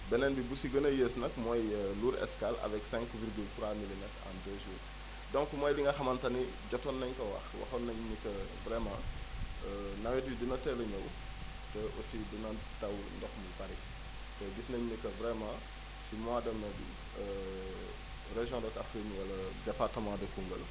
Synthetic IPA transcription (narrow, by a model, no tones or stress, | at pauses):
bɛnɛnbibusiɡənəjesnɐkmɔjəluːɾɛ̰skalɐ̰vɛksɛ̃ŋkviɾɡyltɾwamilinɛtã̰dəːʒuːr | dɔ̃ŋkmɔjliŋɡɐxɐmɐntɐni | ɟɔtɔnːɐɲkɐwɐ̰xwɐ̰xɐnɐɲɲikɐ | vɾɛmãənɐwɛtwidinɐtɛlɐɲɐw | tɛʔosidinɐ | tɐwndɔxmubɐɾi | tɛdisnɐɲnikɐvɾɛmãː | simãdɐmnɐbḭ | ə | rɛʒjɔ̃dɔtafinwɐlɐdɛpartɐmãdɐkuŋɡə̰l